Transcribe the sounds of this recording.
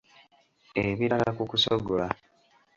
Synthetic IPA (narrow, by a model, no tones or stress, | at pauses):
eβiɾalakukusobola